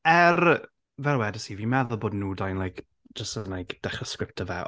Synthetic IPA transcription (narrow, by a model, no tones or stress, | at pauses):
ɛr | vɛlˠwɛdəsivimɛðɔboːdnuːdajnlˠajkʰ | d͡ʒəstənajkd̥ɛχəskɾɪp̚tʰəvɛ̰